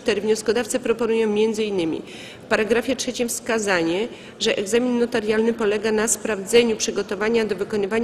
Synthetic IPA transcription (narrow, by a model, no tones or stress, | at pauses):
t̪ɛɾɘvɲɔskɔd̪aft̪sɛpɾɔpɔnujɔ̃w̃mʲjɛnd̪zɘinːɘmʲḭ | fpaɾaɡɾafʲjɛtʂɛt͡ɕimfskazaɲɛ | ʐɛʔɛɡzamʲinːɔt̪aɾjalnɘpɔlɛɡanaspɾavd̪zɛɲupʂɘɡɔt̪ɔvaɲad̪ɔvɘkɔnɘvaɲ